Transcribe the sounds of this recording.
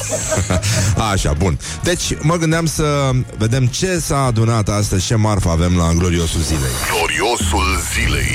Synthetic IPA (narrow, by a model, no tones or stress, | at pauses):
aʃa̰bun | d̪e̞t͡ʃʲməɡɨnd̪eamsəve̞d̪e̞mt͡ʃe̞saːd̪unat̪ast̪əzʲt͡ʃe̞marfəave̞mlaɡlo̞ɾio̞sulzile̞̰jɡlo̞ɾio̞sulzile̞̰j